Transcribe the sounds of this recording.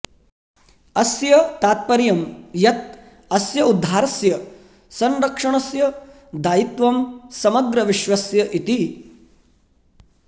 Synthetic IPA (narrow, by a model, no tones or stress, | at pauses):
ɐsjɐt̪aːt̪̚pɐɾjɐmjɐt̪̚ | ɐsjɐud̪ʱːaːɾɐsjɐ | sɐnɾɐkʂɐɳ̃ɐsjɐ | d̪aːjit̪ʋɐmsɐmɐɡɾɐʋiʃʋɐsjɐʔit̪i